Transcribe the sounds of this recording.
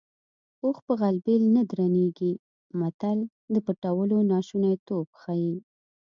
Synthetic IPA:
oxpəɣalbelnad̪ɾaneɡi | mat̪al | d̪əpəʈawəlonɑʃunajt̪obxɑji

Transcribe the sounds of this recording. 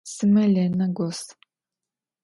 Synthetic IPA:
sɨmɐlenɐɡʷɔs

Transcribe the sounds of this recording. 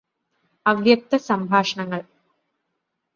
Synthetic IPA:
ɐʋjɐk̚t̪ɐsɐmbʱaːʂɐɳɐŋːɐɭ

